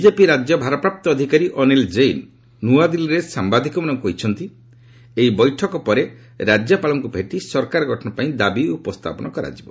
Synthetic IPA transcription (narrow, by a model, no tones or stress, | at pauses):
bid͡ʒepiɾad͡ʒjɔbʱaɾɔpɾap̚t̪ɔːd̪ʱikaɾiʔɔnild͡ʒejnː | uad̪iliɾesambad̪ʱikɔmanɔŋkoɦit͡ʃʰɔnt̪i | eibɔjʈʰɔkɔpɔɾe | ɾad͡ʒjɔpalɔŋkubʱeʈisɔɾkaɾɔɡʱɔʈʰɔnɔpaĩd̪abiupɔst̪ʰa̰pɔnɔkɔɾa̰d͡ʒibɔ